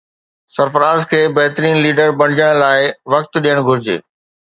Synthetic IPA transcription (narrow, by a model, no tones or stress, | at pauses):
sɐɾfəɾaːzkʰeːbɐɦt̪ɾiːnliːɖəɾbɐ̃ɽɪd͡ʑəɽ̃laːɪʋɐk̚t̪ɗijəɽ̃ɡʱʊɾɪd͡ʑḛː